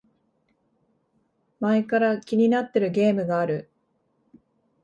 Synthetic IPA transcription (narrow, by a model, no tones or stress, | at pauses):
maekaɾakʲiɲ̟inat̪ːe̞ɾɯ̟ɡe̞ːmɯ̟ɡaːɾɯ̟